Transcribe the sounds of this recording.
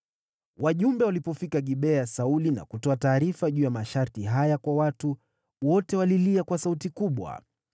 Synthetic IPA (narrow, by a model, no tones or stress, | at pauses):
waʄumbɛwalipɔfikaɠiɓɛasaulina̰kutɔataːɾifaʄuːjamaʃaɾtiɦajakwawatu | wɔtɛwaliliakwasautikuɓwa̰